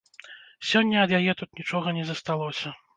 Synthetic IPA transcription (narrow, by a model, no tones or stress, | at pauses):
sʲɔnʲːɐɐd̪jajɛt̪ut̪̚nʲit͡ʂɔɣɐnʲɛzɐst̪alˠɔsʲɐ